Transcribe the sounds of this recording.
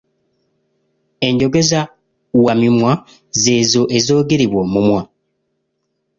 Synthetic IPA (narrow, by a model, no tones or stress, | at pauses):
e̞ɲɟo̞ɡe̞za | wamimwa | zeːzoʔezo̞ːɡeɾiβwomumwa